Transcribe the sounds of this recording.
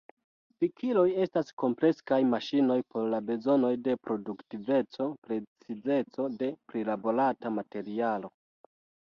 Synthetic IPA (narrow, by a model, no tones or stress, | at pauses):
fikʰilo̞je̞stasko̞mple̞skajmaʃino̞jpo̞ɾlabe̞zo̞no̞jde̞pɾo̞duktive̞t͡so̞pɾe̞t͡size̞t͡so̞de̞pɾilabo̞ɾatamate̞ɾialo̞